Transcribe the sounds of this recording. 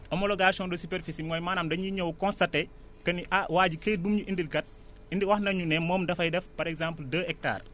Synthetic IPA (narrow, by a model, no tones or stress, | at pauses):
ʔɔmɔlɔɡaːʃɔndɔsupeɾfisimɔjmaːnaːmdɐɲiɲɐwkɔ̃nstɐtːe | kɐniʔawaːɟiket̚bumɲuʔindilkɐt̚ | indiwɐhnɐɲunɛmɔːmdɐfɐjdɛfpɐɾɛkzãːmpəldəːɛk̚ta̰ːr